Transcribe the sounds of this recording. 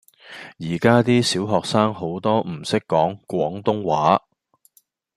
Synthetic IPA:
jiː˨˩kaː˥t̪iː˥siː˨˥wɦɔː˨ksaː˥ŋɦo˨˥wt̪ɔː˥m̩˨˩sɪ˥kːɔː˨˥ŋkʷɔː˨˥ŋt̪ʊ˥ŋwaː˨˥

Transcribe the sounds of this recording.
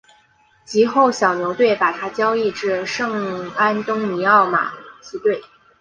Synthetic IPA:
t͡ɕi˧˥xo˥˩ʊɕjɑ˨˩ʊnjo˧˥ʊt̪we˥˩ɪpa˨˩t̪ʰa˥t͡ɕjɑ˥ʊi˥˧ʈ͡ʂɻ̩˥˧ʂɤ˥˩ŋa˥nt̪ʊ˥ŋni˧˥ɑ˥˩ʊma̰˨˩t͡s̩˥˧t̪we˥˩ɪ

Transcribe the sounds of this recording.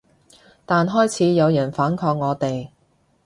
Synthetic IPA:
t̪aː˨nɦɔː˥jt͡sʰiː˨˥jɐ˨˧wjɐ˨˩nfaː˨˥nkʰɔː˧k̚ŋɔː˨˧t̪e˨j

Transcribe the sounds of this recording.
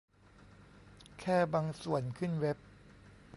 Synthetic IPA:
kʰɛː˥˩baː˧ŋsu˨˩ənkʰɯ˥˩nwe˦˥p̚

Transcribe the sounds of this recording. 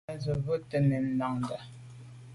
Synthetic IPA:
zə˨və˦tə˨ne˨n̩˦la˨ŋnda˨

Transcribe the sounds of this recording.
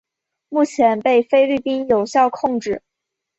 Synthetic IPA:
mu˥˩t͡ɕʰjɛ˧˥npe˥˩ɪfe˥ɪli˥˩pi˥njo˨˩ʊɕjɑ˥˧ʊkʰʊ˥˧ŋʈ͡ʂɻ̩˥˩

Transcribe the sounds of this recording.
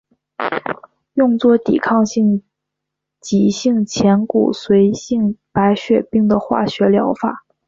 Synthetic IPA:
jʊ˥˧ŋt͡swɔ˥˩t̪ḭ˨˩kʰɑ˥˧ŋɕi˥˩ŋ | t͡ɕi˧˥ɕi˥˩ŋt͡ɕʰjɛ˧˥nkṵ˨˩swe˧˥ɪɕi˥˩ŋpa˧˥ɪɕɥɛ˨˩pi˥˩ŋd̪ə˩xwa̰˥˩ɕɥɛ˧˥ljɑ˧˥ʊfa˨˩˦

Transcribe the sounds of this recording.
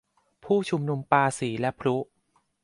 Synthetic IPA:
pʰuː˥˩t͡ɕʰu˧mnu˧mpaː˧siː˩˦lɛ˦˥pʰɾu˦˥

